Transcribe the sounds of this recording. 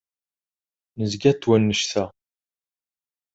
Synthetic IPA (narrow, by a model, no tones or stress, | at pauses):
nəzɡæt̪ːwænːəʃθæ